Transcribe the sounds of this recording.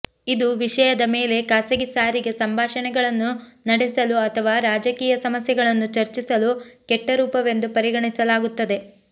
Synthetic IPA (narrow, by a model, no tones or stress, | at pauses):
id̪uʋiʂɐjɐd̪ɐmeːle̞kaːsɐɡisaːɾiɡe̞sɐmbʱaːʃɐnɛɡɐɭɐnːunɐɽɛsɐluɐt̪ʰɐʋaːɾaːd͡ʒɐkiːjɐsɐmɐsjɐɡɐɭɐnːut͡ʃɐɾt͡ʃisɐlukɛʈːɐɾuːpɐʋe̞nd̪upɐɾiɡɐɳisɐlaːɡut̪ːɐd̪e̞